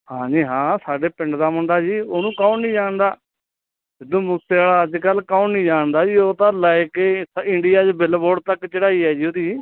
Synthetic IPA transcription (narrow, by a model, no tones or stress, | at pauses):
hãːd͡ʒiːɦãːsaːɖeːpɪ̃ɳɖd̪aːmʊɳɖaːd͡ʒiːoːnũːkaũːnĩːd͡ʒaːɳd̪aː | ɪd̪õːmʊseːaːlaːəd͡ʒkəlkaːũːnnĩːd͡ʒaːɳd̪aːd͡ʒiːoːt̪ãːləekeːsɪɳɖɪjaːt͡ʃbɪlboːɖ̚t̪əkt͡ʃəɽaːiːɛːd͡ʒiːoːd̪iː